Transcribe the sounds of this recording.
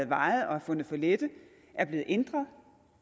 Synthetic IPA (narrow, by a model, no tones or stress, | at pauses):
ð̩ˠʋɑ̈ɪð̩ˠɒ̽æɐfɔ̽n̰ð̩ˠfɒled̥ə | ʔæɐb̥le̝ːð̩ˠʔend̥ʁɐðˠ